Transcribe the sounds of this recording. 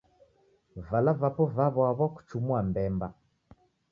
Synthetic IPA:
valavapɔvaβwaβɔku̥t͡ʃumuambɛmba

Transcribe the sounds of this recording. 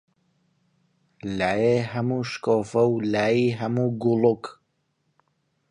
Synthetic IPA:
laːjeɦɐmuːʃkoːfɐwlaːjiːɦɐmuːɡuluk

